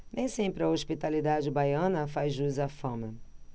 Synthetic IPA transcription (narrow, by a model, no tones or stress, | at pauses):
nẽj̃sẽmpɾɪɐoʃpit̪alid̪ad͡ʒɪbajɐ̃nɐfajzʒuzafɐ̃mɐ